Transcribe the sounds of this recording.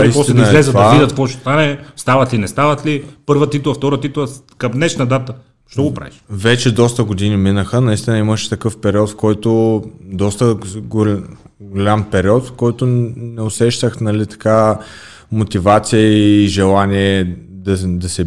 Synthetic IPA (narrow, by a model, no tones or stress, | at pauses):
iispɔst̪ɛinəzɛlɛzət̪vd̪aiɐt̪kvɔt͡ʃt̪ost̪anɛst̪avɐt̪linɛst̪avət̪lipɤɾvət̪it̪lˠəft̪ɔɾət̪it̪lˠə | kɐmnɛʃnɐd̪at̪ə | ʃt̪ɔɡopɾa̰viʃvɛt͡ʃɛd̪ɔst̪əɡod̪iniminəxənɐist̪inəiməʃɛ̥t̪ɐkɤfpɛɾiɔt̪fkɔjt̪od̪ɔst̪əɡo | ɡolʲampɛɾiɔt̪fkɔjt̪onɛosɛʃt̪əxnɐlit̪ɐ̥ka | mot̪ivat̪sijəːʒɛlˠanʲiɛd̪ɐd̪ɐsɛ